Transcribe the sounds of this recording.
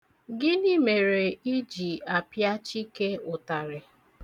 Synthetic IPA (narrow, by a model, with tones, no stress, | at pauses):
ɡɪ˦ni˦me˨ɾe˨i˦d͡ʒi˨a˨pja˦t͡ʃi˦ke˦ʊ˨ta˨ɾe˨